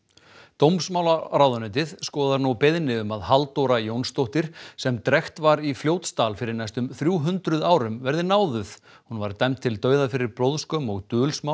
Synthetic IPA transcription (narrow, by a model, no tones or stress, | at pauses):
t̪owmsmawlaɾawðʏnʏnt̪ɪð̥skɔːðaɾnupɪðnɪʏmaðhalt̪owɾajownst̪owht̪ɪɾ̥sɛmt̪ɾɛxt̪vaɾifljowt̪st̪aːlfɪɾɪɾnajst̪ʏmθɾjuːɦʏnt̪ɾʏðaːwɾʏmvɛɾðɪnaːwðʏθ | hunvaɾt̪ɛmt̪ʰɪlt̪œːɥðafɪɾɪɾpɾowðskœmɔɣt̪ʏːlsmaw